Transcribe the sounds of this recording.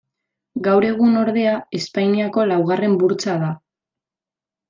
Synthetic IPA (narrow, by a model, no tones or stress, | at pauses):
ɡawɾe̞ɣ̞uno̞ɾðe̞ae̞spajniako̞lawɣare̞mbuɾt͡saða